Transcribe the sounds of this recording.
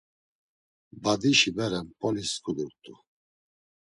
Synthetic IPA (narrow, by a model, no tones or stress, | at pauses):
bad̪iʃibɛɾɛmpʰʼɔliskʰud̪uɾt̪ʼu